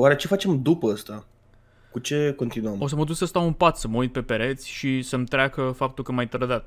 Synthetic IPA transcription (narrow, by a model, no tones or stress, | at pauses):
waɾet͡ʃe̞fat͡ʃe̞md̪upəəst̪a | kut͡ʃe̞ko̞nt̪inuəmo̞s̬əməd̪uksəst̪awunpat̪səməujt̪̚pe̞pe̞ɾe̞t̪sʲʃisəmt̪ɾeakəfap̚t̪ulkəmajt̪ɾəd̪at̪